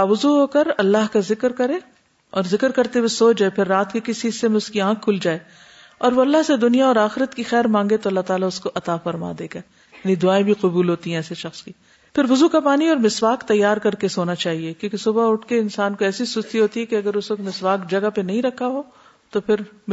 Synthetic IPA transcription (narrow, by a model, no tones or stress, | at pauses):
aʋʊzuɦoːkɐɾɐlːaɦkazɪkɾkɐɾe | ɔːɾzɪkɾkɐɾt̪ewesoːd͡ʒaːepʰɪɾːaːt̪kekɪsiɪsːemẽʊskiãːkʰːʊld͡ʒaːe | ɔːɾʋoɐlːaɦsed̪ʊnijaɔːɾaːxɪɾət̪kixɛːɾmãːŋɡet̪oɐlːaɦt̪aːlaʊskoʔɐt̪afɐɾma̰d̪eːɡa | jaːnid̪ʊaːẽbʱiqʊbuːlɦoːt̪iɦɛ̃ɛːseʃɐxski | pʰɪɾʋʊzukapaːniɔːɾmɪswaːkt̪ɐjːaːɾkɐɾkesoːnat͡ʃaːɦiekjõːkesʊbaʊʈʰkeɪnsaːnkoɛːsisʊst̪iɦoːt̪iɦɛkeɐɡəɾʊsɐkmɪswaːkd͡ʒɐɡapenɐɦĩɾɐkʰːaɦoː | t̪opʰɪɾ